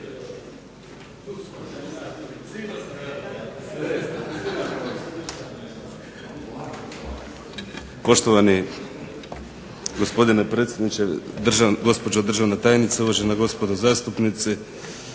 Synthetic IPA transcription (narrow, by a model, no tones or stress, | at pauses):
pɔʃt̪ɔvani | ɡɔspod̪inɛpɾɛt̪sɛd̪nit͡ʃɛd̪r̩ʒaɡɔspɔd͡ʒad̪r̩ʒavnat̪ajnit̪sauvaʒɛnaɡɔspɔd̪ɔzast̪upnit̪si